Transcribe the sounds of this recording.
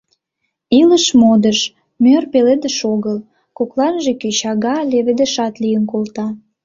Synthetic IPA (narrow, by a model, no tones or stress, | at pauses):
iləʃmod̪əʃ | mørpeled̪əʃoɣəl | koklɑnʒeket͡ɕɑɣɑleβed̪ə̆ʃɑt̪lijənkolt̪ɑ